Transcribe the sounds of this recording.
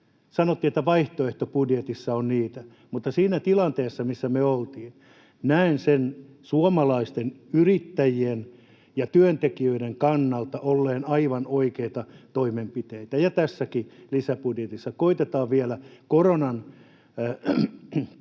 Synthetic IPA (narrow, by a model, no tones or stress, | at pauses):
sɑnot̪ːiːet̪ːæʋɑiht̪oeht̪opudjet̪isːɑonniːt̪æ | mut̪ːɑsiːnæt̪ilɑnt̪eːsːɑmisːæmeøolt̪iːn | næinsen | suomɑlɑist̪enyrit̪ːæjien | jɑt̪yønt̪ekiøideŋkɑnːɑlt̪ɑʔolːeːnɑiʋɑnoikeit̪ɑt̪oimempit̪eit̪æjɑt̪æsːækilisæpudjet̪isːɑkoit̪et̪ɑːʋʋielækoronɑn